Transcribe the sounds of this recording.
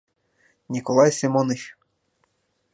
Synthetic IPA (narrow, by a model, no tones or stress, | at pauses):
nʲikɔlˠɑjsʲimɔnɪxʲ